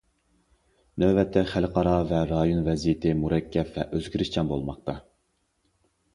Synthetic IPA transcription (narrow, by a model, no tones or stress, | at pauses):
nøbɛt̪ʰːɛχælqʰɑɾɑvɛɾɑjonvɛzijɪt̪ʰɪmuɾɛkʲʰːɛpvɛʔøzɡʲiɾɪʃt͡ʃʰɑnbo̰lˠmɑq̚t̪ʰɑ